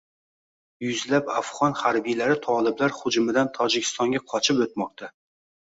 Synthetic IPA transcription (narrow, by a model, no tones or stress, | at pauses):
jʊzlapafʁɒnhaɾbijlaɾɪt̪ʰɒlɪblaɾhʊd͡ʒʊmɪd̪ant̪ʰɒd͡ʒɪkʲʰɪst̪ɒŋɡʲaqʰɒt͡ʃʰɪpɵt̪̚mɒq̚t̪ʰa